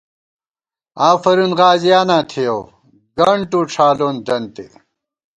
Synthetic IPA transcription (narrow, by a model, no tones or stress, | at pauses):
aːfɐɾunʁaːzijaːnaːt̪ʰijo | ɡɐɳʈuːʈ͡ʂʰaːloːnd͡ʑɐnt̪ḛ